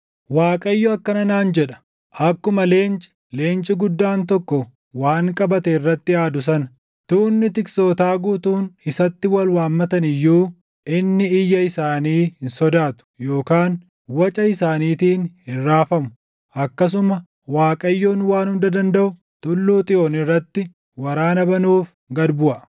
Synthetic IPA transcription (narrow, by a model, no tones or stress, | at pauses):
waːkʼɐjːɔɐkːɐnɐnaːnd͡ʒɛᶑɐ̥ | ʔɐkːʊmɐle̞ːnt͡ʃʼɪ̥ | le̞ːnt͡ʃʼɪɡʊd̪ːaːnt̪̬ɔkːɔ | waːŋkʼɐbɐt̪ɛɪrːɐt̪ːɪaːd̪ʊs̬ɐn | t̪uːnːɪt̪ɪkso̞ːt̪aːɡuːt̪uːnɪsɐt̪ːɪwɐlwaːmːɐt̪ɐnɪjːuː | ɪnːɪɪjːɐɪsaːniːhɪnsɔd̪aːt̪ʊ̥jo̞ːkaːn | wɐt͡ʃʼɐɪsaːniːt̪iːnhɪrːaːfɐmʊ | ɐkːɐs̬ʊmɐ | waːkʼɐjːoːnwaːnhʊnd̪ɐd̪ɐnd̪ɐʔʊ | t̪ʊlːuːt̪ʼɪʔoːnɪrːɐt̪ːɪ | wɐɾaːnɐbɐnuːf | ɡɐd̪bʊʔɐ